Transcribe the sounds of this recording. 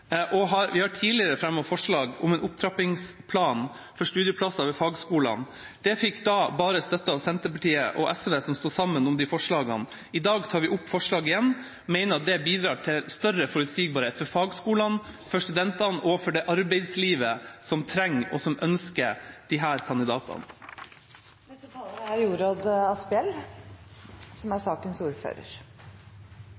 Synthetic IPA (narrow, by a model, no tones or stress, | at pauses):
ʔɔɦɑɾʋɪhɑʈʰiːlɪəɾəfɾɛmːɔːfɔʂɭɑːɡʊ̰mɛnʊp̚t̪ʰɾɑpɪŋspʰlɑːn | fɔʂʈ̪ʉːd̪jəpʰlɑsɑʋɛfɑːɡskuːlɑ̰n | d̪̥ɛfɪkːd̪ɑbɑːɾəst̪œt̪ːəɑʋsɛnt̪əpɑʈiːə̰ʔɔ̰ʔɛsʋeːsɔmst̪uːsɑmːənʊmd̪ɪfɔʂɭɑːɡɑ̰n | ɪd̪ɑːɡt̪ʰɑːɾʋɪʔʊpːfɔʂɭɑːɡɪjɛnː | mɛɪnəɾɑt̪̚d̪ɛbiːd̪ɾɑːʈʰɪlst̪œrəfɔɾʉt̪siːɡbɑɾheːt̪fɔɾfɑːɡskuːlɑnfɔʂt̪ʉd̪ɛnt̪ɑnɔfɔɖɛʔɑɾbɛɪd̪sliːʋəsɔmt̪ʰɾɛŋːɔ̰sɔmʔœnskəd̪̥ɪɦæːɾkʰɑnd̪ɪd̪ɑːt̪ʰɑ̰n | æɾjuːɾoːd̪ɑspɪɛl | sɔmæsɑːkənsuːɾfø̰ːɾə̰ɾ